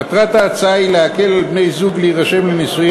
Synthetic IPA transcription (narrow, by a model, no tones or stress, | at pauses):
at̪ʁat̪aːt͡saileake̞lalpne̞jzuɡliːʁaʃe̞mlenesuj